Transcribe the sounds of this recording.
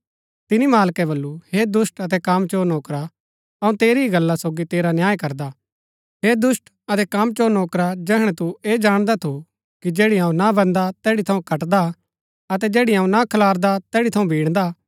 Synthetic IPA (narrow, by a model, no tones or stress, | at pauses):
t̪ɪnimaːlkɛbɐlːuhed̪ʊsʈɐt̪ɛkamt͡ʃoːnoːkɾa | ɐũt̪eːɾiiɡɐlːasoːɡit̪eːɾanjaːjkɐɾd̪aː | ɦeːd̪ʊsʈ | ɐt̪ɛkamt͡ʃoːnoːkɾad͡ʒɛːɦɽ̃ɛt̪ueːd͡ʒaːɽ̃d̪at̪ʰu | kid͡ʒɛːɽiɦaũnabɐ̃nd̪at̪ɛːɽit̪ʰɐũkɐʈd̪a | ɐt̪ɛd͡ʒɛːɽiɦaːũnakʰɐlaːɾd̪at̪ɛːɽit̪ʰɐũbʱiːɽ̃d̪a